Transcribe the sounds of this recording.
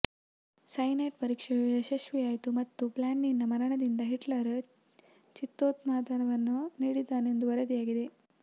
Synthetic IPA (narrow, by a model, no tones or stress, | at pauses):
sɐjneʈpɐɾiːkʂɐjjɐʃɐʃʋijaːjit̪umɐt̪ːuplaːɳːinːɐmɐɾɐɳɐd̪ind̪ɐɦiʈlɐɾɐ | t͡ʃit̪ːoːt̪maːd̪ɐnɐʋɐnːuniːɽid̪ːaːneend̪uʋɐɾɐd̪ijaːɡid̪e̞